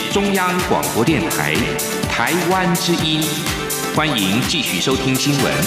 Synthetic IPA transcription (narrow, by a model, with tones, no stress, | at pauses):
ʈ͡ʂʊ˥ŋjɑ˥ŋkwɑ̰˨˩ŋpwɔ˧˥t̪jɛ˥˩nt̪ʰa̰˧˥ɪ | t̪ʰa˧˥ɪwa˥nʈ͡ʂɻ̩˥ʔi˥n | xwa˥ni˧˥ŋt͡ɕi˥˧ɕy˥˩ʂo˥ʊt̪ʰi˥ŋɕi˥nwə̰˧˥n